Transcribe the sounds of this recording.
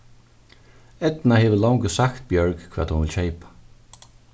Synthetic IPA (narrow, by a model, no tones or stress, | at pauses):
ɛt̪naheːʋəlɔwŋkəsakt̪̚bjœɹkkʰvɛːt̪hunʋɪlʃeɪpḁ